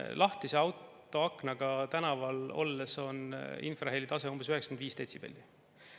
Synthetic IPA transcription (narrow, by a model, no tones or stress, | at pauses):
lʔɑht̪iseɑwt̪ːˑo̞ɑkˑnɑɡ̥ɑt̪ænɑvɑlo̞̰lːeso̞nḭnfrɑɦelit̪ɑse̞umb̥esyhɛksɑ̥kend̪iːst̪et̪ʲsib̥ḛlʲːi